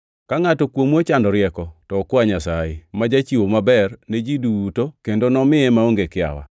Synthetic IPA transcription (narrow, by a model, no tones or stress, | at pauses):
kaŋatɔkwomwot͡ʃandɔɾɪɛkɔtɔːkwaɲasajemad͡ʒat͡ʃiwomabɛrned͡ʒiduutokendonɔmɪɛmaoŋɡekɪa̰wa̰